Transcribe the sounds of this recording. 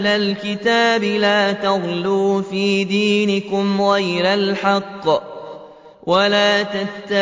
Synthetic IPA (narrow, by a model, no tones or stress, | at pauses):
lalkɪt̪aːbɪlaːt̪ɑɣluːfiːd̪iːnɪkʊmɣajɾalħɑqː | wʔalaːt̪at̪ːa